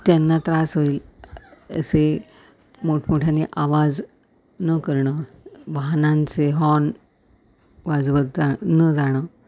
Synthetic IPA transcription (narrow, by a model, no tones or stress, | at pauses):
t̪janːat̪ɾasɦoiːl | ə̰se | moʈʰmoʈʰjaneʔaʋad͡z | nəkəɾɳəʋaɦnãnt͡seɦɔn | ʋad͡zʋət̪̚d͡zanəd͡zaɽ̃ə